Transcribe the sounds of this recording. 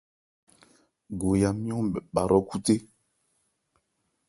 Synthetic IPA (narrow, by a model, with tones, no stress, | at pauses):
ɡo˨ja˨mĩ˦ɔ̃˦mɓɛ˨ɓa˨ɾʔɔ˦ku˦te˦